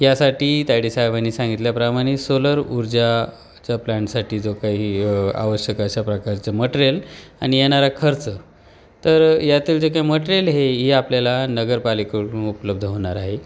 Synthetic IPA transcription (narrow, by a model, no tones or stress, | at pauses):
jasaʈiːt̪ajɽisaɦjbaniːsãŋɡit̪ljapɾamaɽ̃isoləɾuɾd͡ʑa | t͡ɕjaplaɳʈsaʈiːd͡zokaɦia̰ʋəɕjəkəɕapɾəkaɾt͡səməʈɾela̰ɽ̃ijɛɽ̃aɾakʰəɾt͡sə | t̪əɾjat̪iːld͡zekaiməʈɾelɦeɦiapljalanəɡəɾpalikoʈunupləb̚d̪ʱəɦoɳ̃aɾaɦe